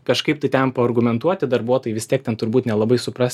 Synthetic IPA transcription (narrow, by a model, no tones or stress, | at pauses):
kɐʃkɐɪp̚t̪ɐɪt̪ʲɛmpɐɐrɡʊmʲɛnt̪uɔt̪ʲɪd̪ɐɾbuɔt̪oɔːjɪʋʲɪstʲiɛk̚tʲɛnt̪ʊɾbuːt̪nʲɛlˠɐbɐɪsʊpɾɑsʲ